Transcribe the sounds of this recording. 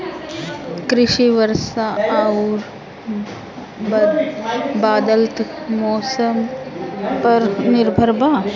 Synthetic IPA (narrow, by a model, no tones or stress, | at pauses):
kɾɪʃiʋəɾsauɾ | baːd̪əlt̪mɔːsəm | pɐɾnɪɾbʱəɾbaː